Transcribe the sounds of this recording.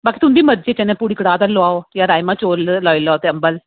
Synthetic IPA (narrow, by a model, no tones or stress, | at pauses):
baːkit̪umd̪iːmədd͡ʒet͡ɕɛnẽpuɽikɽaːd̪ɐlːoaojaɾaːjmãt͡ʃoːllailːaːt̪eɐmbəl